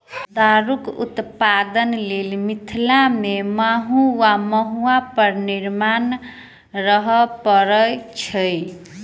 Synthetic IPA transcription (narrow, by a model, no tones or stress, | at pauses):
d̪aɾukṵt̪pad̪ənlelmit̪ʰilamemaɦũwaməɦuapəɾniɾman | ɾəɦəpəɾəjt͡ʃʰəj